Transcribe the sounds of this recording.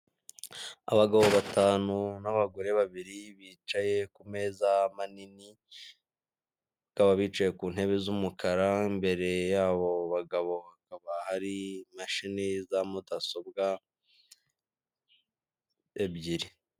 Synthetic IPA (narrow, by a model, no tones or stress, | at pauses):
a̰βaɡaβo̞βataːnunaβaɡo̞ɾe̞βaβiɾiβiːt͡ʃaje̞kume̞ːzamanini | βakaβaβiːt͡ʃaje̞kuːn̥he̞βezumukʰaɾaimbe̞ɾe̞jaːβo̞βaɡaβo̞βakaβahaɾimaʃinizamudaso̞bɡa | ebɟiɾi